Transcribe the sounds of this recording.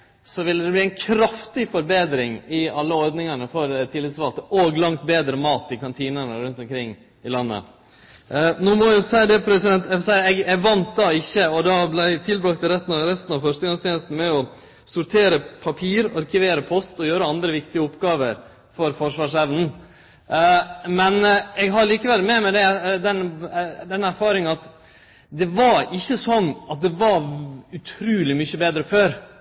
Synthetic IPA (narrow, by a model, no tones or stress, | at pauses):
sɔʋɪlːəd̪ɛbliæɪnkʰɾɑft̪ɪfɔɾbeːd̪ɾɪŋɪɑlːəɔɾd̪nɪŋɑnəfɔɾt̪ʰɪlːɪt̪sʋɑlt̪əʔoɡlɑŋt̪beːd̪ɾəmɑːt̪ɪkɑnt̪ʰiːnənəɾʉnt̪ɔmkʰɾɪŋː | ɪlɑnːə̰ | noːmɔjʊsæɪd̪ɛpʰɾɛsɪd̪ɛnt̪ɛsæɪɛɡɛɡʋɑnt̪̚d̪ɑɪçːəɔd̪ɑblæɪt̪ʰɪlbɾɑkt̪əɾɛt̪ːn̩ɑʋɾɛst̪nɑʋfœʂʈəɡɑŋst̪jɛːnəst̪n̩mɛɔ | sʊɾt̪ʰeːɾəpʰɑpʰiːɾɑɾkʰɪʋeːɾəpʰɔst̪ɔjøːɾəɑnd̪ɾəʋɪkt̪ɪəʊpːɡɑːʋəɾ | fɔɾfɔʂʋɑːʂɛʋnn̩ | mɛnɛɡɦɑɾɭiːkəʋɛlːmɛmɛd̪ɛd̪ɛnd̪ɛnæɾfɑːɾɪŋɑt̪ | d̪ɛʋɑɾɪçːəsɔnːʔɑt̪̚d̪ɛʋɑʉt̪ʰɾʉːlɪmʏçəbeːd̪ɾəføːɾ